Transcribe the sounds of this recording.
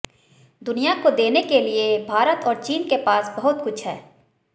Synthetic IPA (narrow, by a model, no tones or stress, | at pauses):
d̪ʊnijakod̪eːnekeliebʱaːɾət̪ɔːɾt͡ʃiːnkepaːsbɐɦʊt̪kʊt͡ʃʰɦɛː